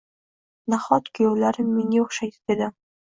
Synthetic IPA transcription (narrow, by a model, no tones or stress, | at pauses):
naχɒt̪kʰʲʊjowlaɾɪmːeŋʲeoχʃajt̪ʰɪ̥d̪̥ed̪ɪ